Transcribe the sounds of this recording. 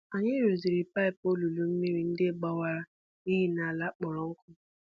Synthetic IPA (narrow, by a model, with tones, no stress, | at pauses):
a˨ɲɪ˦ɾu˨zi˨ɾi˨pa˦ɪ˨po˦lu˨lu˨m̩˦mi˦ɾi˨n̩˦dɪ˦ɡ͡ba˦wa˦ɾa˦ | ni˦ɦi˦na˨la˦k͡pɔ˨ɾɔ˨ʊ˦kʊ˦